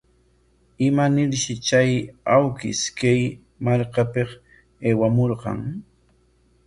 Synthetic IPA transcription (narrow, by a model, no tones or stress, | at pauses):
ɪmanɪɾʃɪt͡ʃajawkɪ̰skaj | maɾkapeq | eːwamoɾqɑ̰ŋ